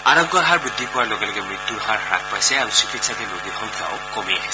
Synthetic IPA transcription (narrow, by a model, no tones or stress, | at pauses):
aɾɔŋɡɔɦaɹbɹid̪ʱːipɔwaɹloɡɛlɔɡɛmɹit̪juɹɦaɹɾa̰k̚pajsɛaɾusikit̪sat̪ɛloɡiɾɦɔŋt̪ʰa̰ɔ̰kkɔmiɛɦɛ